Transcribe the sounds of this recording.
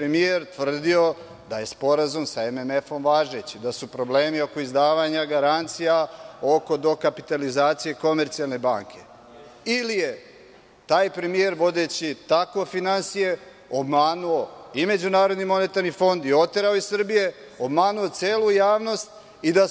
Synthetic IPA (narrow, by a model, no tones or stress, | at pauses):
ɾemijeɾt̪ʋr̩d̪io̞ | d̪aje̞spo̞ɾazumsaememefo̞mʋaːʒet͡ɕid̪asupɾo̞ble̞ːmio̞ko̞izd̪aːʋaɲaɡaɾant̪sijao̞ko̞d̪o̞kapi̥t̪alizaːt̪sije̞ko̞me̞ɾt̪sialˠne̞baːŋkʰe̞ | ilije | t̪aːjpɾe̞mie̞ɾʋo̞d̪e̞t͡ɕit̪ako̞finansije̞ | obmaːnuoime̞d͡ʑunaːɾo̞d̪nimo̞ne̞t̪aɾnifo̞nd̪io̞t̪eɾaoisr̩bije̞ | obmaːnuo̞t̪seːlˠujaːʋno̞st̪ | id̪a